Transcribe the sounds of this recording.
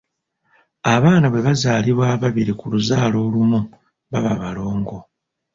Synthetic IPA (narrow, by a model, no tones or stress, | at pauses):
aβaːnaβwe̞βazaːliβwaːβaβiɾikuluzaːlo̞ːlumu | βaβaβalo̞ːŋɡo̞